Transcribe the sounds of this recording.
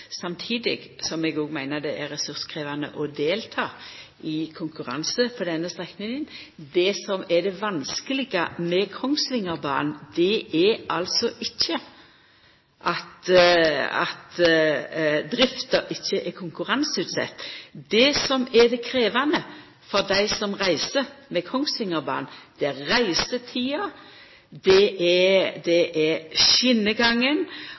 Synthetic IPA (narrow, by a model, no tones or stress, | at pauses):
sɑmt̪ʰiːd̪ɪ̰ɡsɔmɛɡoːɡmæɪnəd̪ɛʔɛɾɾɛsʉɾskʰɾiːʋɑnə̰ʔɔd̪eːlt̪ʰɑː | ɪkʰʊŋkʉɾɑ̰nsəfʰɔd̪ɛnːəst̪ʁɛknɪŋənd̪ɛsɔmɛd̪ɛʋɑnskəlɪɡəmɛkʰɔŋslɪŋəɾbɑ̰ːnd̪̥ɛʔɛʔɑlsɔʔɪçːə | ʔɑt̪ | ɑ̰t̪ | d̪ɾɪft̪əɾʔɪçːəʔɛkʰʊŋkʉʁɑnsʉːt̪sɛ̰t̪ːd̪ɛsɔmɛd̪ɛkʰɾeːʋɑnə | fɔʁd̪æɪsɔmʁæɪsəmɛkʰɔŋsʋɪŋəɾbɑ̰ːnd̪̥ɛæɾʁæɪsət̪ʰiːɑ | d̪ɛɛd̪ɛʔɛɾʃɪnːəɡɑŋːən